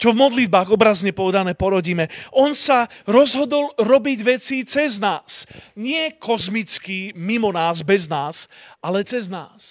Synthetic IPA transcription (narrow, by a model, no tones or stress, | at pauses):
t͡ʃɔvmɔd̪lid̪̚baːɣɔbɾazɲɛpɔʋɛd̪anɛːpɔɾɔɟiːmɛʔɔnsaɾɔzɦɔd̪ɔlɾɔbiɟʋɛt͡sit͡sɛznaːsɲɪɛkʰɔzmit͡skimimɔnaːzbɛznaːsalɛt͡sɛznaːs